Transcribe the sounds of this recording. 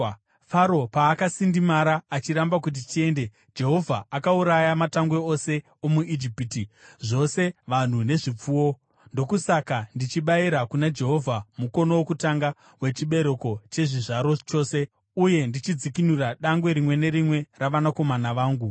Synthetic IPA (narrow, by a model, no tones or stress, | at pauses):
faɾo̞paːkasindimaɾaːt͡ʃiɾambakut̬itie̞nde̞ | d͡ʒe̞ɦo̞vʱaːkauɾajamataŋɡwe̞ose̞ | omuid͡ʒipitiʐo̞se̞ʋan̤une̞ʐip͡fuwo̞ | ndo̞kusakandit͡ʃiɓaiɾakunad͡ʒe̞ɦo̞vʱamuko̞nowokutaŋɡa | we̞t͡ʃiɓe̞ɾeko̞t͡ʃe̞ʐiʐaɾo̞t͡ʃo̞ːse̞ | uje̞ndit͡ʃid͡zikinuraɗaŋɡwe̞ɾimwe̞ne̞ɾimwe̞raʋanako̞manaʋaːŋɡu